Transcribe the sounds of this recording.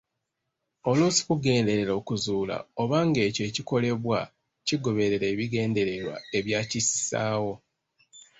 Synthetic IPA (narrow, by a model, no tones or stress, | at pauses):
o̞lusi̥kuɡe̞ːnde̞ɾe̞ɾo̞ːkuzuːla̰o̞βaːŋɡe̞ːce̞ːciko̞le̞βwa | ciɡo̞βe̞ɾe̞ɾe̞ːβiɡe̞ːnde̞ɾe̞ɾwa̰e̞βjaːcisaːwo̞